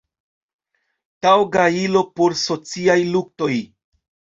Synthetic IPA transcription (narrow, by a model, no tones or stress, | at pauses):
tawɡailo̞poɾso̞t͡siajluk̚to̞j